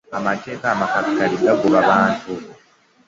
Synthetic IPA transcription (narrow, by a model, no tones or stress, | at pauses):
amate̞ːkaːmakakaliɡaɡuβaβaːntʰu